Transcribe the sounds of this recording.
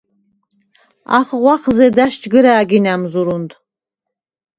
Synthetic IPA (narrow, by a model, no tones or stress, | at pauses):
a̰χʁʷɑχzed̪aʃt͡ʃʼɡɨɾaːɡʲinamzuɾunt̪